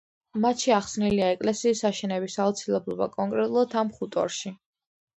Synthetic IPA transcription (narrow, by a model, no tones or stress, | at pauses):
mat̪ʃiaχsniliaɛkʼlɛsiːsːaʃɛnɛbisaut̪sʰilɛblˠɔba̰kʼɔŋkʼɾɛt̪ʼulˠad̪ʰamχut̪ʼɔ̰ɾʃi